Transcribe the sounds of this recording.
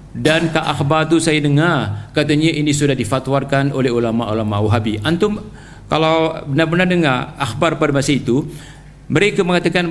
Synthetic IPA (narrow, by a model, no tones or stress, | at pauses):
dankaʔaxbart̪usajadəŋarkat̪̬aɲaʔinisudahdifat̪warkanolɛɦulamaulamawɦabiʔant̪ʊm | kalawbənarbənardəŋaraxbarpadamasait̪u | məɾekaməŋat̪akan